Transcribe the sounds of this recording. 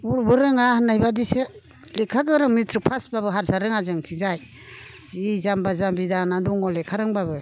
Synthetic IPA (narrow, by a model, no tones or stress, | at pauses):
uɾbɯɾɯŋahanːajbadise | lekʰaɡɯɾɯŋmitʰɾɯpʰasbabɯɦaɾsaɾɯŋazɯŋtʰizaj | izambazambidanaduŋɔlekʰaɾɯŋbabɯ